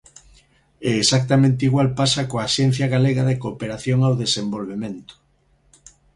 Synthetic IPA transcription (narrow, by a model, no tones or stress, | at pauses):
ɛesak̚t̪amẽnt̪eiɣwalpasakoaʃɛn̟θjaɣaleɣaðekopeɾaθjoŋawðesembolβemẽnt̪ʊ̥